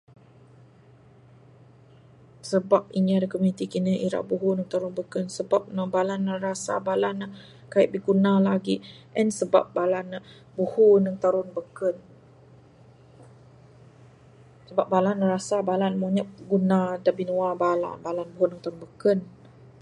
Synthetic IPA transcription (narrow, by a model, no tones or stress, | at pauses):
səbap̚iɲiadəkomunit̪ikinəʔiɾa̰ʔbuɦunəŋt̪aɾʊnbəkənsəbap̚nəbalanːəɾasa̰balana | kaiʔ̚bəɡunalaɡiʔɛnsəba̰p̚balanə | buhunəŋt̪aɾʊnbəkən | səbap̚balanːəɾasabalanmoɲap̚ɡunadabinuabala̰nbalanbuɦunəŋt̪aɾʊnbəkən